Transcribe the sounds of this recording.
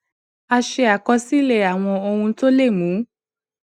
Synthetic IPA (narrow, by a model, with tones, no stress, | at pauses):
a˧ʃe˧a˨kɔ˧si˦le˦˨a˨w̃ɔ̃˧o˧hũ˧˦to˦le˦˨mũ˨˦